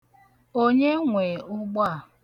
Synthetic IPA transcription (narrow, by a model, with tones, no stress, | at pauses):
o˦ɲe˦ŋʷe˨ʊ˦ɡ͡ba˦˨